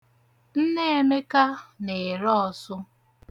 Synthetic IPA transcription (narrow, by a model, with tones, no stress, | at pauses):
n̩˦ne˦e˨me˦ka˦ne˨ɾɔ˦ɔ˨sʊ˦